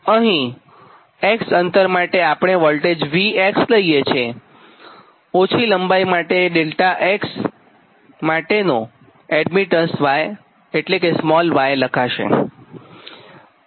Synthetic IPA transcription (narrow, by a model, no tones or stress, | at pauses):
əɦĩ | eksənt̪əɾmaʈeapɳ̃eʋəlʈed͡ʒʋieksləijet͡ʃʰe | ot͡ʃʰiləmbajmaʈeɖelʈaʔeks | maʈeno | ɛɖmiʈənsʋaj | eʈlekesmɔlʋajləkʰaʃḛ